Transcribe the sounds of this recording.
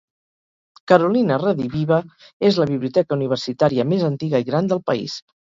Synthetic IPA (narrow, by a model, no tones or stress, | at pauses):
kəɾulinəraðiβiβə | ezləβiβliut̪ɛkəuniβ̞ərsit̪aɾiəmezənt̪iɣəiɣɾand̪əlˠpəḭs